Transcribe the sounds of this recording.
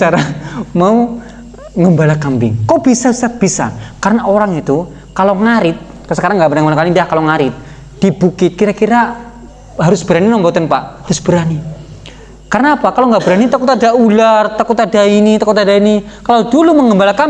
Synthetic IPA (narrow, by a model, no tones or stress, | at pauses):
saɾamau | ŋəmbalakampɪ̰ŋkawb̥isasat̪̚b̥isa̰kaɾənaʔoɾaŋit̪u | kaloŋaɾɪt̪̚ | ksəkaɾaŋːɡabəɾaŋəmbalakanidahkaloŋaɾɪt̪̚ | d̥ib̥ukɪt̪̚kiɾakiɾa | haɾʊsb̥əɾaninɔmbɔt̪ɛnpaʔhaɾʊsb̥əɾani | karənapakalowŋɡaʔbəɾanit̪akut̪adaulart̪akut̪adainit̪akut̪adainikalowduluməŋɡəmbalaka